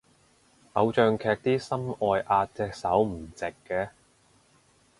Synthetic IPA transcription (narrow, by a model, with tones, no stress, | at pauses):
ʔɐ˨˧wt͡ʃœː˨˧ŋkʰɛː˧k̚t̪iː˥sɐ˥mɔː˨jʔaː˧t̚t͡sɛː˧k̚sɐ˨˥wm̩˨˩t͡sɪ˨kːɛː˧